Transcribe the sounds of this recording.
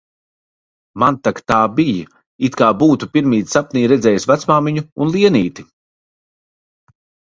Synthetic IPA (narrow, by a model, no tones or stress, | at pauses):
mant̪akt̪aːbij | it̪kaːbuːt̪upiɾmiːt̪sapniːɾɛd̪zʲɛːjsvat̪smaːmiɲuunlˠiɛniːt̪i